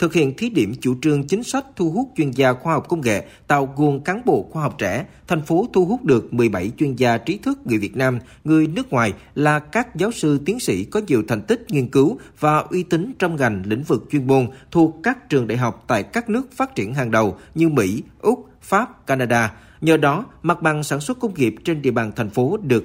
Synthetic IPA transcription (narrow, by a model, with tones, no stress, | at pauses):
t̪ʰɨ˨˩k̚hḭ˧˨ənt̪ʰi˨˦ɗi˧˩əmt͡ɕu˧˩t͡ɕɨ˧əŋt͡ɕï˨˦ŋ̟sa˦˥jk̟̚t̪ʰu˧ɦu˦˥k͡p̚t͡ɕwi˧ənzaː˧xwaː˧hɔ˨˩wk͡p̚kə˧wŋ͡mŋḛ˧˨ | t̪a̰ː˧˨wɣu˨˩əŋkaː˨˦nɓo̰˧˨xwaː˧ɦa˨˩wk͡p̚t͡ɕɛ̰˧˩t̪ʰɛ˨˩jŋ̟fo˨˦t̪ʰu˧ɦu˦˥k͡p̚ɗɨ˨˩ək̚mɨ˨˩əjɓa˧˩jt͡ɕwi˧ənzaː˧t͡ɕi˨˦t̪ʰɨ˦˥k̚ŋɨ˨˩əjvi˨˩ət̚naː˧m | ŋɨ˨˩əjnɨ˦˥k̚ŋwaː˨˩j | laː˨˩kaː˦˥k̚zaː˨˦wsɨ˧t̪i˨˦ənsḭ˧˥kɔ˨˦zi˨˩əwt̪ʰjŋ̟t̪ï˦˥k̟̚ŋi˧ənkɨ˨˦wvaː˨˩ʔwi˧t̪ï˨˦ŋt͡ɕɔ˧wŋ͡mɣa˨˩jŋ̟lḭ˧˥˨ŋ̟vɨ˨˩k̚t͡ɕwi˧ənmo˧nt̪ʰu˨˩əkːaː˦˥k̚t͡ɕɨ˨˩əŋɗa̰ː˧˨jɦa˨˩wk͡p̚t̪a̰ː˧˨jkaː˦˥k̚nɨ˦˥ək̚faː˦˥t̚t͡ɕi˧˩ənɦaː˨˩ŋɗə˨˩wɲɨ˧mḭ˧˥ʔʊ˦˥k͡p̚ | faː˦˥p̚kaː˧naː˧ɗaː˧ | ɲəː˨˩ɗɔ˨˦ma˨˩t̚ɓa˨˩ŋsaː˧˩nswə˦˥t̚kə˧wŋ͡mŋi˨˩əp̚t͡ɕe˧nɗḭ˧˨əɓaː˨˩nt̪ʰɛ˨˩ŋ̟fo˨˦ɗɨ˨˩ə